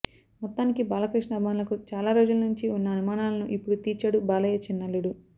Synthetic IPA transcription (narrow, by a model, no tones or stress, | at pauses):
mɔt̪ːaːnikibaːlɐkɾiʂɳɐɐbʱimaːnlɐkut͡ʃaːlaːɾoːd͡ʒulɐnuɲt͡ʃiunːɐːnumaːnaːlɐnuʔipːuɽut̪iːɾt͡ʃaːɽubaːlɐjɐt͡ʃinːɐlːuɽu